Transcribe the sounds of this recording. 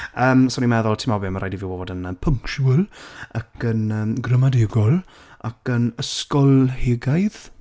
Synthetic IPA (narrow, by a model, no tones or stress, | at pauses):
əːmsonimɛðɔlˠtʰɪmɔbɪmaɾʔa̰jdivɪwoːdənəpʰəŋkʃuəlˠakʰənəːɡrəmadɪɡɔlˠ | akənəskɔlˠhɪɡajð̥